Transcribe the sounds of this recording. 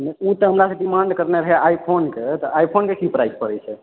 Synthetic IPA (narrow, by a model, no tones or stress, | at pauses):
nɛut̪əɦəmɾasəbʈimaɳɖkəɾneɾəɦɛʔajpʰonket̪əajpʰonkekipɾajspəɾɛjt͡ʃʰɛ